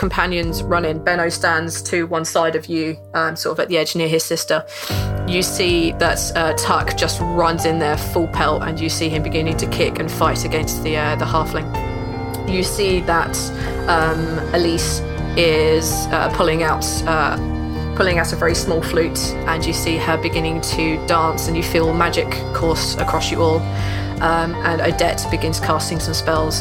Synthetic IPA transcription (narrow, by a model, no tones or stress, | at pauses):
kʰə̃mpʰãnjə̃nzɹʌ̃nɪ̃ŋbɛñəʊstãndz̥tʰəwʌ̃nsaɪɾəvjə | ʌmsɔɹtəvəʔðiɛd͡ʒnɪəɪz̥sɪstə | jəsiːðətʌtʰʌkd̥ʒ̥ʌst̚ɹʌ̃nzɪ̃nðəfʊlˠpʰɛlˠə̰̃njəsiːɪ̃mbɪɡɪ̃nɪ̃ŋtʰəkʰɪkə̃nfaɪtəɡɛ̃nsðiʌðəhɑˑflɪ̃ŋ | jəsiːðət | ʌ̃m | əliˑs | ɪz̥ | ʌ̰pʰʊlɪ̃ŋaʊt | ʌ | pʰʊlɪ̃ŋaʊtəvɛɹismɔːlˠflʉˑt | ʔə̃njəsiːəbɪɡɪ̃nɪ̃ŋtʰəd̥ɑ̃ˑnsə̃njəfiːlˠmad͡ʒɪkʰːɔˑstə̰kʰɹ̥ɒsjəʔɔːlˠ | ʔʌ̃mʔə̃nə̰ʊdɛtb̥ɪɡɪ̃nz̥kʰɑˑstɪ̃ŋsə̃mspɛlˠz̥